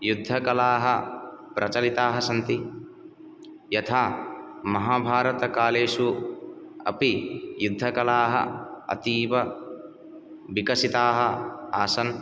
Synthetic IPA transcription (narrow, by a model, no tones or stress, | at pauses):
jud̪ʱːɐkɐlaːɦɐpɾʔɐt͡ʃɐlit̪aːɦɐsɐnt̪i | jɐt̪ʰaːmɐɦaːbʱaːɾɐt̪ɐkaːleːʃu | ɐ̰pijud̪ʱːɐkɐlaːɦɐ̰ɐ̰t̪iːʋɐ | ʋikɐsit̪aːɦɐaːsɐn